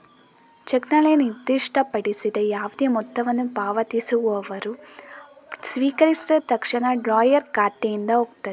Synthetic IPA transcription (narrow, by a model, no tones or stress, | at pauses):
t͡ʃeknɐlejɐnid̪ːiʂʈɐpɐɽisid̪ɐjaːʋud̪emɔt̪ːɐʋɐnːupaːʋɐt̪isuʋuɐʋɐɾu | sʋiːkɐɾisid̪ɐt̪ɐkʂɐɳɐɖɾaːjɐɾkaːt̪ːejind̪ɐoːɡt̪ɐd̪e